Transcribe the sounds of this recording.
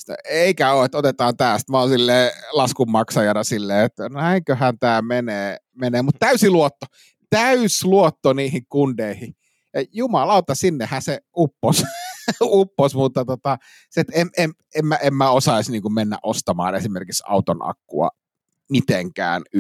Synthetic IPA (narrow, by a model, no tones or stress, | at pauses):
t̪o̰eikæoːet̪ot̪et̪ɑːnt̪æːst̪mæonsilːeːlɑskumːɑksɑjɑnɑsilːeːet̪ːnæiŋkøhænt̪æːmeneː | meneːmut̪t̪æysiluot̪ːo | t̪æysluot̪ːoniːhiŋkundeihi | jɑjumɑlɑˑot̪ːɑsinːehæseupːos | upːosmut̪ːɑt̪ot̪ɑ | set̪emʔem | emmæʔemmæosɑisniːŋkummenːæ̰ʔost̪ɑmɑ̰ːnesimerkiksɑ̰ut̪onɑ̰kːṵɑ̰ | mit̪eŋkæ̰ːn